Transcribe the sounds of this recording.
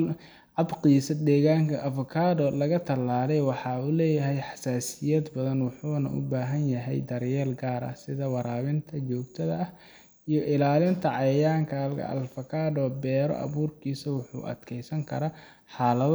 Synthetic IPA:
ʕɑbqiːsɐd̪ɛːɣaːŋkʰɐʔɐfʊkʰaːdɔlɐɣɐt̪ʰɐlːaːlɛjwɑħɑːulɛːjɐɦɛjħɑ̥saːsɪjɛːd̪bɐðɐnwʊħuːnɐ̰ʔʊ̰baːɦɐnjɐɦɛ̰jd̪ɐɾjɛːlɡaːɾɐ̰sɪðɐwɑɾaːβɪnt̪ʰɐt͡ʃɔːɡt̪ʰɐðɐɐh | ijɔʔɪlaːlɪnt̪ʰɐʕɑjaːŋkʰɐlkɐ̰ʔɐ̰lfɐkʰaːdɔbɛːɾɔ̰ʔɐ̰βuːrkʰiːsɐwʊħṵːʔɐ̰d̪̥kʰɛjsɐŋkʰɐɾaː | ħɑːlɐð

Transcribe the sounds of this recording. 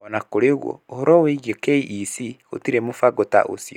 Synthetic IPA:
ɔnakoɾeoɣwo̰ohɔɾɔweiɣiokeiʔisio̰tiɾemofaɡota̰ʔo̰si

